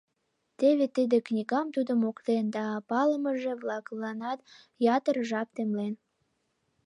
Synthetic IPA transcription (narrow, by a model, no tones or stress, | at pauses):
t̪eβet̪id̪eknʲiɣɑmt̪ud̪əmokt̪end̪ɑːpɑləməʒeβlɑklɑnɑt̪ | jɑt̪ərʒɑp̚t̪emlen